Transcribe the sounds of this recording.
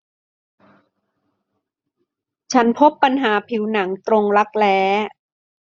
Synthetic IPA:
t͡ɕʰa˦˥npʰo˦˥pːa˧nɦaː˩˦pʰi˨˩˦wna˩˦ŋt̪ɾo˧ŋɾa˦˥k̚lɛː˦˥

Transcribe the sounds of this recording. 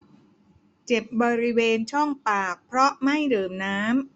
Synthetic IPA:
t͡ɕe˨˩p̚bɔː˧ɾi˦˥weː˧nt͡ɕʰɔ˥˩ŋpaː˨˩k̚pʰɾɔ˦˥ma˥˩jdɤː˨˩mnaː˦˥m

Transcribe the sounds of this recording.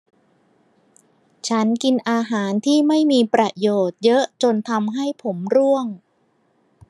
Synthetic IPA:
t͡ɕʰa˦˥nki˧nʔaː˧ɦaː˩˦nt̪ʰiː˥˩ma˥˩jmiː˧pɾa˧˩joː˨˩t̪̚jɤ˦˥ʔt͡ɕo˧nt̪ʰa˧mɦa˥˩jpʰo˩˦mɾu˥˩əŋ

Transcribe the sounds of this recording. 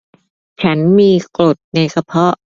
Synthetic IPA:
t͡ɕʰa˦˥nmiː˧klo˨˩t̪̚na˧jsʰa˧pʰɔ˦˥ʔ

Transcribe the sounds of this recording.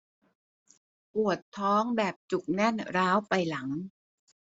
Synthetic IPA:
pu˨˩ət̪ʰːɔː˦˥ŋbɛː˨˩p̚t͡ɕu˨˩k̚nɛ˥˩nɾaː˦˥wpa˧jla˩˦ŋ

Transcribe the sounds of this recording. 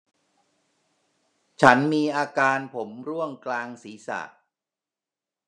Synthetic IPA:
t͡ɕʰa˦˥nmiː˧ʔaː˧kaː˧npʰo˩˦mɾu˥˩əŋklaː˧ŋsiː˩˦sa̰ː˨˩

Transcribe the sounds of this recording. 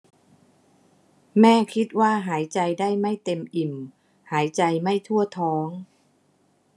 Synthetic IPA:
mɛː˥˩kʰi˦˥t̪̚waː˥˩ɦaː˩˦jt͡ɕa˧jdaː˥˩jma˥˩jt̪e˧mʔi˨˩m | haː˩˦jt͡ɕa˧jma˥˩jt̪ʰu˥˩ət̪ʰɔː˦˥ŋ

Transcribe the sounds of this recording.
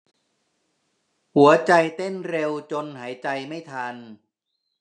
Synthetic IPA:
hu˩˦ɐt͡ɕa˧jt̪e˥˩nɾe˧wt͡ɕo˧nhaː˩˦jt͡ɕa˧jma˥˩jt̪ʰa˧n

